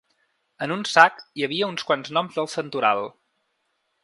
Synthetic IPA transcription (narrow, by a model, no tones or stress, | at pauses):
ənunsakiəβ̞iəunskwanznɔmzðəlˠsənt̪uɾa̰lˠ